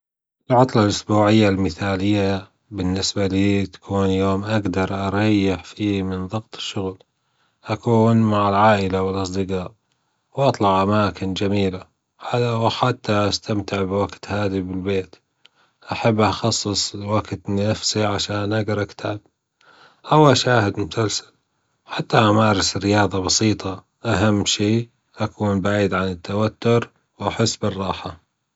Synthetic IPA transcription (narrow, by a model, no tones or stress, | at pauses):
ʔɪlʕʊt̪ˤlɑlʔʊsbuːʕɪjːalmɪθaːlɪjːa | bɪnːɪsbaliːt̪ḁkʰuːnjoːmʔaɡd̪ɑɾˤʔɑɾˤɑjːɪħfiːmɪnðˤɨɡt̪ˤɪ̥ʃːʊɣl | ʔakuːnmaʕɪlʕaːʔɪlawɪlʔɑsˤd̪ɪqɑːʔ | wʔɑt̪ˤlɑʕʔamaːkɪnd͡ʒamiːla | ʕalawħat̪ːaʔast̪amt̪ɪʕbwaɡt̪haːðibɪlbeːt̪ | ʔaħabːʔaxɑsˤːɨsˤwaɡt̪nnafsiʕaʃaːnʔaɡɪɾʔakt̪ʰab̚ | ʔawaʃaːhɪd̪mʊsalsḁl | ħat̪ːaʔamaːɾˤɪsɪrːɪjɑːðˤɑbɑsiːt̪ˤɑ | ʔaɦamːʃiː | ʔakuːnbaʕiːd̪ʕanɪt̪ʰːawat̪ːʊɾ | wʔaħɪsːbɪrˤːɑːħa